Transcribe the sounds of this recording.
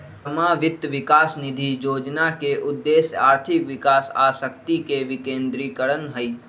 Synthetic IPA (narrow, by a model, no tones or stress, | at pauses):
maːʋɪt̪ʋɪkaːsnɪd̪ʱijoːd͡ʒnakeʔʊd̪ːeːsaːɾt̪ʰɪkʋɪkaːsa̰ːsəkt̪ikeʋɪkẽːnd̪ɾiːkəɽənɦəi